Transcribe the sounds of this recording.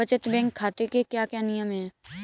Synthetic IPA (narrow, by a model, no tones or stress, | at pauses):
ət͡ʃət̪bɛ̃ːŋkʰːaːt̪ekekjaːkjaːnɪjəmɦɛː